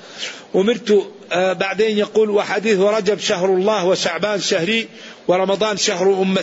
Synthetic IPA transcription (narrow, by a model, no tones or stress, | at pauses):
ʔʊmɪɾt̪ʊ | baʕd̪eːnjaquːlwaħad̪iːθwɪɾˤɑd͡ʒabʃaɦɾˤlˤːɑːhwɪʃaʕbaːnʃahɾi | wɪɾˤɑmɑd̪ˤɑːnʃaɦɾʔʊmːa